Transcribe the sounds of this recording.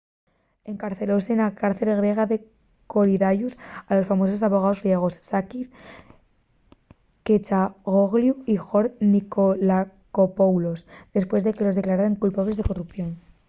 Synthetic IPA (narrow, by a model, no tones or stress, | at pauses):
e̞ŋkaɾθe̞lo̞se̞nakaɾθe̞lɣ̞ɾje̞ɣ̞aðe̞ | ko̞ɾiðaʝusalo̞sfamo̞so̞s̬aβo̞ɣ̞ao̞zɣɾje̞ɣ̞o̞sːakis | ket͡ʃaɣoɣljuixo̞ɾnikolakopowlo̞sðe̞spwe̞zðe̞ke̞lo̞zðeklaɾaɾaŋkulpaβle̞zðe̞ko̞rupθjo̞n